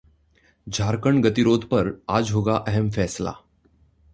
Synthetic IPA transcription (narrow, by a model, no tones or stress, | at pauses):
d͡ʑʱaɾkəɳɡət̪iɾod̪ʱpəɾad͡zɦoɡaʔəɦɛmfɛsla̰